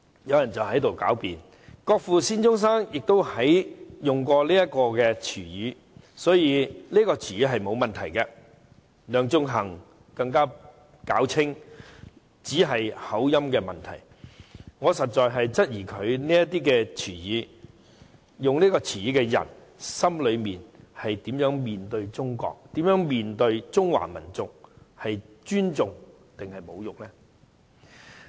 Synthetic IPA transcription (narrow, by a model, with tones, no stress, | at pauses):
jɐ˨˧wjɐ˨˩nt͡sɐ˨whɐ˨˥jt̪o˨wka̰ː˨˥wpiː˨n | kɔː˧k̚fuː˨siː˥nt͡sʊ˥ŋs̬aː˥ŋjɪ˨k̚t̪o˥whɐ˨˥jjʊ˨ŋkɔː˧liː˥jɐ˥t̚kɔː˧kɛ˧t͡ʃʰyː˨˩jyː˨˧ | sɔː˨˥jiː˨˧niː˥kɔː˧t͡ʃʰyː˨˩jiː˨˧ɦɐ˨jmo˨˧wmɐ˨nt̪ʰɐ˨˩jkɛ˧ | lœː˨˧ŋt͡sʊ˥ŋɦɐ˨˩ŋ | kɐ˧ŋkaː˥ | kaː˨˥wt͡sʰɪ˥ŋ | t͡siː˨˥ɦɐ˨jhɐ˨˥wjɐ˥mkɛː˧mɐ˨nt̪ʰɐ̰˨˩j | ŋɔː˨˧sɐ˨t̚t͡ʃɔː˨˧jɦɐ˨jt͡sɐ˥t̚jiː˨˩kʰɵ˨˧ɥniː˥jɐ˥tt̪iː˥kɛː˧t͡sʰiː˨˩jiː˨˥ | jʊ˨ŋniː˥kɔː˧t͡sʰiː˨˩jiː˨˥kɛ˧jɐ̰˨˩n | sɐ˥mlɵ˨˧ɥmiː˨nhɐ˨jt̪iː˨˥mjœː˨˥ŋmiː˨nt̪ɵ˧ɥt͡sʊ˥ŋkɔ̰ː˧k̚t̪iː˨˥mjœː˨˥ŋmiː˨nt̪ɵ˧ɥt͡sʊ˥ŋwa̰ː˨˩mɐ̰˨˩nt͡sʊ˨k̚hɐ˨jt͡ʃyː˥nt͡sʊ˨ŋ | t̪ɪ˨ŋhɐ˨jmo̰˨˧wjʊ˨k̚lɛ˥